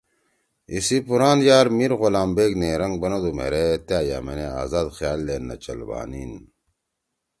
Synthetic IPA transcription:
isipuɾaːnjaːɾmiɾɣolaːmbeːkneːɾɐŋɡ̚bɐnɐd̪umḛɾet̪jaːja̰ːmenea̰ːzaːd̪xjaːlːeːnːɐ̰t͡ɕɐ̰lba̰ːnin

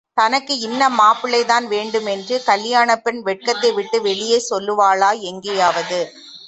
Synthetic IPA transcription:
t̪ɐnɐkːɯɪnːɐmaːpɪlɐɪt̪aːnʋeːɳɖɯmɛndrɯkɐljaːnɐpːɪnʋɛʈ̚kɐt̪ːɐɪʋɪʈːɯʋɛɭɪjeːsɔlːɯʋaːɭaːɛŋɡejaːʋɐðɯ

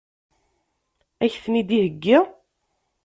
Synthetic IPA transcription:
æçθənid̪ihəɡːɪ

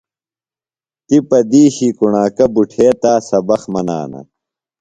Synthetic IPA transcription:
t̪ipɐd̪iːɕikuɳaːkɐbuʈʰeːt̪aːsɐbɐxmɐna̰ːnɐ̰

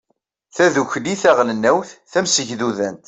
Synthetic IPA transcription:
θæðuçliθæʁlənːæwθθæmsəʝðuðænt̪

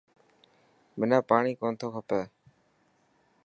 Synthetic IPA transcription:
mɪnaːpaːɽ̃iːkoːnt̪ʰoːkʰəpaː

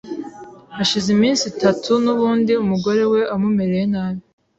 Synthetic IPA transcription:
aʃizimiːnsitatʰunuβuːndiumuɡo̞ɾe̞we̞ʔamume̞ɾejenaːβi

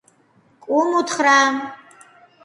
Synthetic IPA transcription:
kʷʼʊmutʰχraːm

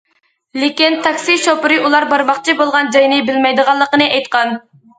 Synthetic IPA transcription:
lɪkʲint̪ʰɑkʲsiʃopɨɾɨulˠɑɾbɑɾmɑχt͡ʃʰibolˠʁɑnd͡ʒɑjnɨbɪlmɛjd̪əʁɑlˠːəqənɨʔɛjt̪qɑn

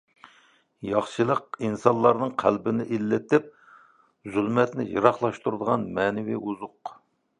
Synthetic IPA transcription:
jɑχʃɨlˠəqinsɑnlˠɑɾnɨŋqʰælbɪnɪʔilːɪt̪ɪp̚ | zylmɛt̪nɪjɨ̰ɾɑχlˠɑʃt̪uɾd̪əʁɑnmɛːnɪwḭʔuzʊq

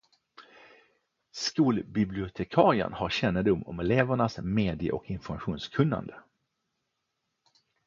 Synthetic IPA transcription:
skuːlbɪblɪʊt̪ʰɛkʰɑːɾɪə̰nhaɾɕɛnːəd̪ʊmːɔ̰mɛleːvəɳasmeːd̪ɪə̰ʔɔ̰kɪnfɔɾmaɧuːnskʰɵnːa̰nd̪ə

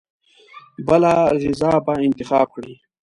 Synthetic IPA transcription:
bəlaɣɪzaːbaɪnt̪ɪxɑːb̚kɽi

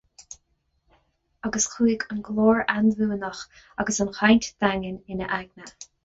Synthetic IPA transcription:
aɡəsxʰiːɡənɡlɔːɹanvuːnɔx | aɡəsənxajntd̪̥aŋənɪnəʔaɡnə

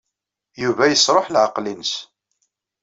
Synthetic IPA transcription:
juvæjəsˤɾˤoħlʕəqlinəs

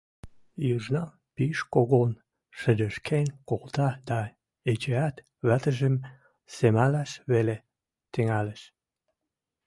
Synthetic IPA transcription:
jɯʒnɑ | piʃkoɣon | ʃə̆d̪ə̆ʃkʰenʲkolt̪ɑd̪ɑ | et͡ɕeæt̪ | βæt̪ə̆ʒəm | semælæʃβele | t̪əŋæləʃ

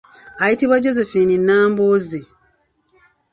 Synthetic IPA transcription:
ajitiβwaɟo̞zefininːaːmboːzi

